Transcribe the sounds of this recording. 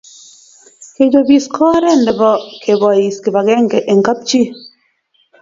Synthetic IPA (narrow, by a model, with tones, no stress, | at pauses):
ke˨d͡ʒo˨bi˨skʰɔ˦ɾɛ˦˨n˨dɛ˨bɔ˦kʰe˨bɔ˨i˨ske˨ba˨ɡe˦ŋ˨ke˨ʔe˨ŋ˨ka˦p̚t͡ʃi˦